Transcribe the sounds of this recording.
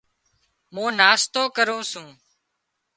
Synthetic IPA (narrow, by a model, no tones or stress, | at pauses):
mũːnaːst̪oːkəɾũːsũː